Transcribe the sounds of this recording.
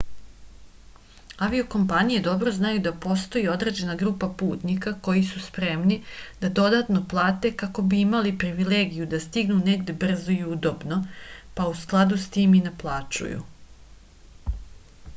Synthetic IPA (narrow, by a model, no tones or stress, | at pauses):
aʋio̞ko̞mpanije̞d̪o̞bɾo̞znajud̪apo̞st̪o̞jio̞d̪ɾe̞d͡ʑe̞naɡɾuːpapuːt̪nikako̞jisuspɾe̞mnid̪̥ad̪o̞d̪at̪no̞plˠaːt̪e̞kako̞biimalipɾiʋileːɡijud̪ast̪iɡnune̞ɡd̪e̞br̩zoiud̪o̞bno̞pausklˠad̪ust̪iːmineplˠaːt͡ʃṵjṵ